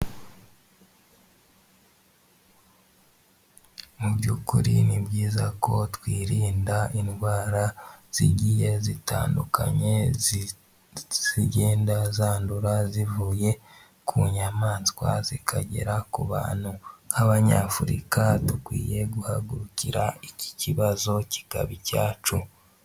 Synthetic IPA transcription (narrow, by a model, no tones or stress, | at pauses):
mubɟukuɾḭnibɟiːzako̞twiːɾiːndainɡwaːɾaz̥iɟije̞zitʰa̰ːnduka̰ɲe̞ | z̥iɟeːndazaːnduɾazivuːje̞ | kʰuɲamaːnskwa̰zikʰaɟḛɾakuβa̰ːn̥huhaβaɲa̰fuɾḭkatukwḭːje̞ɡuhaɡuɾuciɾaici̥ciβazo̞ci̥ka̰βicaːt͡ʃu